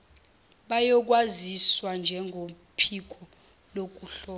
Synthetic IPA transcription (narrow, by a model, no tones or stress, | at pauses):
ɓajɔk̬ʼwaziswand͡ʒʱɛŋɡʱo | pʰik̬ʰɔ | lok̬ʼuɬɔː